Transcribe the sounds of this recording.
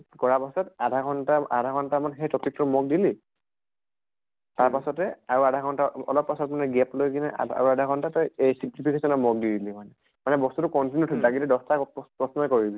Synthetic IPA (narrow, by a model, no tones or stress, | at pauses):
kɔɹapasɔtadʱaɡʰɔntaa̰dʱakʰɔntamanxejtɔkikːɔmɔɡ̚dili | taɹpasɔtɛaɹuadʱaɡʰɔntaɔ̰lɔpːasɔtmanɛɡɛplojkinɛa̰a̰ɹuadʱaɡɔntatɔesiklipʰikesɔnɔmɔɡ̚didilimanɛ | manɛbɔstutukɔntinjutʰdaɡitɛdɔstapɹɔsnɔjkoɹibi